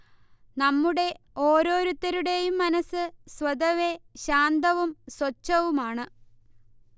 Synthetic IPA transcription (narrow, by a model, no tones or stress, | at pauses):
nɐmːuɽe̞ | o̞ːɾo̞ːɾut̪ːɐɾuɽe̞jumːɐnɐsɨsʋɐd̪ɐʋe̞ɕaːnd̪ɐʋumswɐt͡ɕːɐʋumaːɳɨ